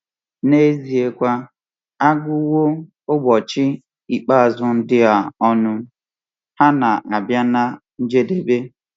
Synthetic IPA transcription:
ne˦zi˨e˦kʷa˦ | a˦ɡʊ˦wo˦ | ʊ˦ɡ͡bɔ˨t͡ʃɪ˦ | i˨k͡pa˦a˨zʊ˦n̩˦dɪ˦a˨ɔ˦nʊ˦ | ha˦na˨ʔa˨bja˦na˦ | n̩˦d͡ʒe˦de˦be˦

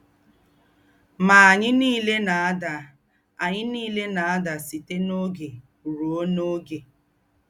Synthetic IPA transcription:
ma˨a˨ɲɪ˦niː˦le˦na˨a˦da˨ | a˨ɲɪ˦niː˦le˦na˨a˦da˨si˨te˦no˦ɡe˨ | u˨ɾo˨o˦no˦ɡe˨

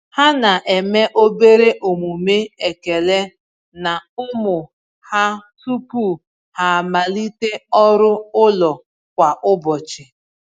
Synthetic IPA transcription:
ha˦na˨ʔe˨me˦ʔo˦be˦ɾe˦ʔo˨mu˨me˦e˨ke˨le˦ | na˨ʊ˦mʊ˨ | ha˦su˦pu˦˨ | ha˨ma˨li˦te˦ɔ˦ɾʊ˦ʊ˦lɔ˨ | kʷa˨ʔʊ˦bɔ˨t͡ʃɪ˨

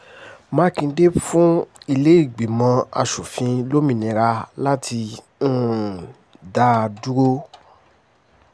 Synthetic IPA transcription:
mãː˨˦kĩ˧˦de˦fũ˦i˦˧le˦i˦˨ɡ͡be˨mã˧a̰˧ʃu˨fĩ˧lo˦mĩ˨nĩ˨ɾa˧la˦tʰĩ˧˦ | da˦˧du˦ɾo˦

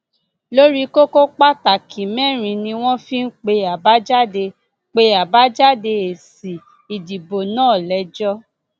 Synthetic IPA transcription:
lo˦ɾi˦ko˦ko˦k͡pa˦ta˨kʰĩ˨mɛ̃˦˨ɾ̃ĩ˧nĩ˧w̃ɔ̃˦fi˦n̩˦k͡pe˧a˨ba˨˦d͡ʒa˦de˧ | k͡pe˧a˨ba˦d͡ʒa˦de˧e˨si˨ | i˨di˨bo˨nãː˦˨lɛ˨˧d͡ʒɔ˦

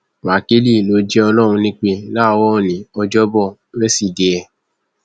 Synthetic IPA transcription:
wa˨ke˨˦li˦˨lo˧˦d͡ʒɛ˦ɔ˧lɔ˦˨ɾ̃ũ˧nĩ˦k͡pe˧la˦˨˧wɔ˦o˨nĩ˨ɔ˧d͡ʒɔ˦bɔ˦˨ | ɾɛ˦si˦˨de˨ɛ˧

